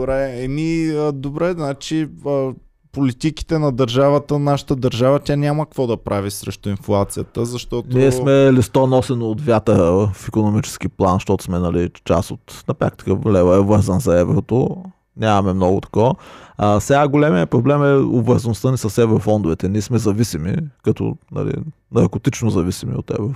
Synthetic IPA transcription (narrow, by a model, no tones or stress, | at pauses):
bɾɛɛmiəd̪obɾɛznat͡ʃiə | polit̪iki̥t̪ɛnɐd̪ɐɾʒavət̪ənaʃə̥t̪əd̪əɾʒavət̪ʲanʲaməkvɔd̪ɐpɾʔavisɾɛ̰ʃt̪ʊinflˠat̪sijət̪əzɐʃt̪ɔt̪niɛsmɛlist̪ɔnɔsɛnoːt̪vʲjat̪əɾəfikonomit͡ʃɛ̥sk̟iplˠanʃt̪ɔt̪ʊ̥smɛnɐlit͡ʃa̰sot̪nɐpɾa̰k̚t̪i̥kəlɛvɐɛvɤɾzənzɐɛvɾot̪o | nʲamɐmɛmnɔɡʊt̪ɐ̥kɔəasɛɡaɡolɛmijəpɾoblɛmɛo̰bvəɾzənʊst̪ənisəsɛvɾofɔnd̪ʊvɛt̪ɛniɛsmɛzɐvisimḭkɐt̪ʊ̰nɐ̰lḭ | nɐɾkot̪it͡ʃnozɐvisimḭo̰t̪ɛ̰vɾo